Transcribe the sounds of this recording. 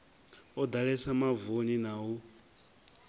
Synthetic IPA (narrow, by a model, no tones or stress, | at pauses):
ɔd̪aɺɛsamavoninawu